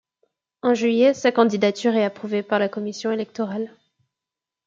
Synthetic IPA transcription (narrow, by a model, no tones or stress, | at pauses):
ɑ̃ʒɥijɛsakɑ̃d̪id̪at̪yʁɛapχuvepaʁlakɔmisjɔ̃elɛk̚t̪ɔʁal